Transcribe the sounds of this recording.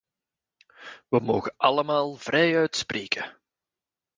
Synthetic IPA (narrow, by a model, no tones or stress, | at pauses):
ʋəmoːɣəʔɑləmaːlˠv̥rɛjœɥtsprʔeːkʰə